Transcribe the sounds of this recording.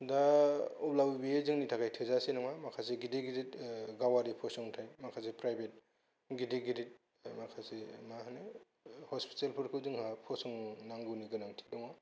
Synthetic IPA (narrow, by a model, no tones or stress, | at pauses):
dauplawibiezɯŋnitʰakʰajtʰɯzasenɔŋamakʰaseɡideɡidit̚ɡawaɾipʰɔsɔŋntʰajmakʰasepɾajbet̚ | ɡideɡiɾit̚ | makʰasemahane | hɔspi̥telpʰuɾkʰɯzɯŋhapʰɔsɔŋnaŋɡɯniɡɯnaŋtʰi̥dɔŋa